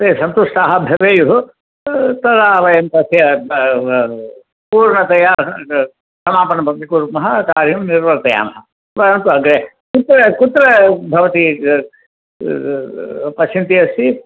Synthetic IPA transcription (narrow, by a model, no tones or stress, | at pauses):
t̪eːsɐnt̪uʂʈaːɦɐbʱɐʋeːjuɦu | t̪ɐd̪aːʋɐjɐmpɐsjɐ | puːɾɳɐt̪ɐja | sɐmaːpɐɳɐpɐk̪ikuɾmɐɦɐkaːɾjumniɾʋɐɾt̪ɐja̰ːmɐɦɐ | pɐɾɐnt̪uɐɡɾe | kut̪ɾɐkut̪ɾɐbʱɐʋɐt̪i | pɐsint̪ijɐsi